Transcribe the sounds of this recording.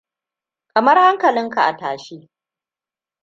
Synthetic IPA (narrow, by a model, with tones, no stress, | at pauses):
kɐ˨mɐ˦rha˦ŋkɐ˨lɪ˦ŋka˨ʔa̰˨ta̰ː˨ʃiː˦